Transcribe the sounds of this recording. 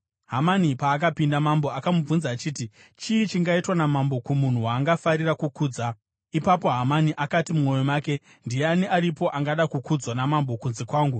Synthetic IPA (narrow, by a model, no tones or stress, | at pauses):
ɦamanipaːk̬apindamambo̞akamub͡vunzaːt͡ʃiːti | t͡ʃiːt͡ʃiŋɡaitwanamambo̞kumun̤uwaːŋɡafaɾirakukuːd͡za | ipapo̞ɦamaniʔakatimumwo̞jomaːke̞ | ndijeaniaɾipo̞ʔaŋɡaɗakukud͡zwanamambo̞kunze̞kwaːŋɡu